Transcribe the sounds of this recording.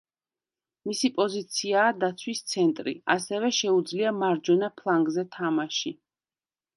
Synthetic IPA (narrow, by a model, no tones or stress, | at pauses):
misipʼɔzit̪sʰiaːd̪at̪sʰwist̪sʰɛnt̪ʼɾḭa̰sɛvɛʃɛud̪zliamaɾd͡ʒɔnapʰlˠaŋɡzɛt̪ʰamaʃi